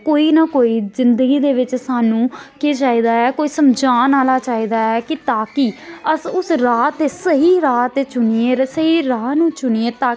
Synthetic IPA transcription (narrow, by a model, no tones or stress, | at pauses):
koːiːnakoːiːzɪnd̪əɡiːd̪eːʋɪt͡ʃsaːnũːket͡ʃaːiːd̪aːɛːkoːiːsəmd͡ʒaːnaːlaːt͡ʃaːiːd̪aːɛːkɪt̪aːkiːəsʊsɾaːt̪esəɦiːɾaːt̪ːt͡ʃʊnieːsəɦiːɾaːnũːt͡ʃʊnieːt̪aː